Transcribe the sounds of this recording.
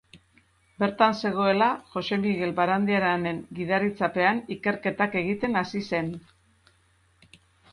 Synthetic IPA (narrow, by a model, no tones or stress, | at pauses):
be̞ɾt̪anse̞ɣ̞o̞e̞laʝo̞se̞miɣe̞lbaɾand̪iaɾane̞ŋɡiðarit͡sape̞anike̞ɾke̞t̪ake̞ɣit̪e̞nasise̞n